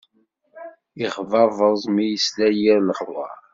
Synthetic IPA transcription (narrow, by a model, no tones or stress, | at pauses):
iχvɑvˤəzˤmijəslæjiɾləχɾwɑ̰